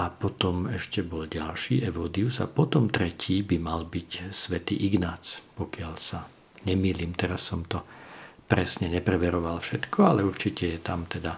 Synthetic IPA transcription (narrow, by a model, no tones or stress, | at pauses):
ʔapɔt̪ɔmɛʃcɛbɔlɟalʃiːʔɛʋɔːd̪iuza̰pɔt̪ɔmt̪ɾɛciːbimalbicsʋɛt̪ḭːʔiɡnaːt͡spɔkɪalsa | ɲɛmiːliːmt̪ɛɾasːɔmt̪ɔpɾɛsɲɛɲɛpɾɛʋɛɾɔʋalfʃɛt̪kʰɔalɛuɾt͡ʃicɛjɛt̪amt̪ɛd̪a